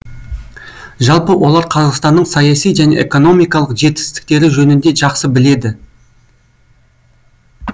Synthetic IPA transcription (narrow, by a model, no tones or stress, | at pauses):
ʒɑlˠpəwʔo̞lˠɑɾqʰɑzɑqst̪ɑnːəɴsɑjɑsijʒæne̞̰ʔḛko̞no̞mijkɑlˠəqʒe̞t̪̚ɪ̥st̪ɪ̥k̚t̪e̞ɾɪʒɵnɪnd̪e̞ʒɑqsəbɪle̞d̪ɪ